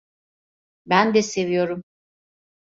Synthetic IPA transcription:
bænd̪ɛse̞vijo̞ɾum

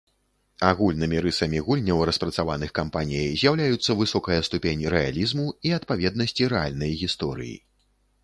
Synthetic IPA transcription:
aɣulʲnɨmʲiɾɨsɐmʲiɣulʲnʲɐwɾɐspɾɐt̪savanɨxkampanʲijɐjzʲjawlʲajut̪sːɐvɨsɔkɐjɐst̪upʲenʲiɾɛa̰lʲizmuiɐt̪pavʲɛd̪nɐsʲt͡sʲiɾɛalʲnɐjɣʲist̪ɔɾɨ̰jḭ

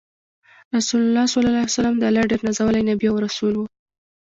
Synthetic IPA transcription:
ɾasulalːɑsalɑlɑasalamd̪əalaɖeɾnazawəlajnabiawɾasulwu

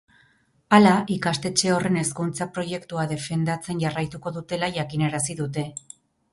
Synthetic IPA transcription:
alaʔikast̪e̞t͡ʃe̞o̞re̞ne̞skunt͡sapɾo̞ʝe̞kt̪uað̞e̞fe̞nd̪at͡se̞nʝarajt̪uko̞ðut̪e̞laʝakine̞ɾasiðut̪e̞

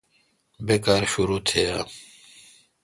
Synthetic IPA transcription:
beːkaːɾɕuɾuːt̪ʰejaː

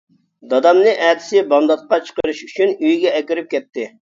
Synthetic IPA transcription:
d̪ɑd̪ɑmnɨʔɛt̪ʰɪ̥sɪbɑnd̪ɑt̪̚qɑt͡ʃʰə̥qəɾɨʃyt͡ʃʰynyjɡʲɛɛkʲyɾyp̚kʲɛt̪ːɪ

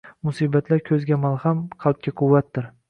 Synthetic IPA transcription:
mʊsibat̪ʰlaɾkʲʰɵzɡʲamalˠhamqʰɑlt̪̚kʰʲaqʰʊwːat̪̚ːɪɾ

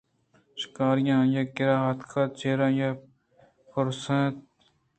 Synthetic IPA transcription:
ʃɪ̥kaːɾɪjãːjaːkɪɾaːɦət̪kʰaːt͡ʃeːɾãːjaː | pəɾsẽːt̪̚

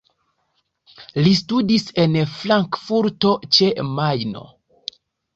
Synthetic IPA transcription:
listudise̞nflaŋkfuɾto̞t͡ʃe̞majno̞̰

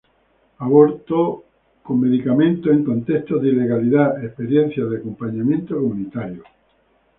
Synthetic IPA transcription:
aβoɾt̪o | komme̞ðikamẽ̞nt̪oeŋkõ̞nt̪e̞ht̪oðile̞ɣaliðaehpe̞ɾjẽ̞n̟θjaðeakompaɲãmjẽnt̪okomũnit̪aɾjo

